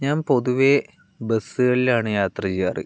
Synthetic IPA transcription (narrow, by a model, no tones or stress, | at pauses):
ɲaːmpo̞ðuʋe̞ | besːɨɣɐɭilaːɳɨjaːt̪rɐt͡ɕijaːrɨ̰